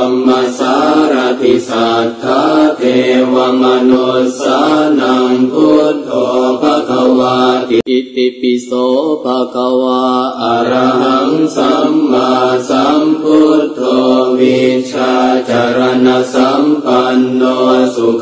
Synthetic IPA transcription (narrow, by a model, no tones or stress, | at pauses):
mːasaɾat̪isat̪ʰat̪ewamanɔsanaŋput̪ɔpakawat̪iipipisɔpakawaaɾaɦaŋsamːasamput̪ɔwit͡ʃad͡ʒaɾanasampanːɔsuk